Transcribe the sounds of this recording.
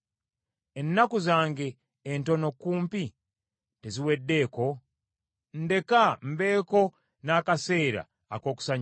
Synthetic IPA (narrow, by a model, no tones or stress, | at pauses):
enːakuzaːŋɡe̞ː | ntono̞kuːmpi | teziwe̞dːe̞ːko̞ | n̩de̞kam̩be̞ːko̞ | naːkase̞ːɾa̰ | a̰ko̞ːku̥saɲ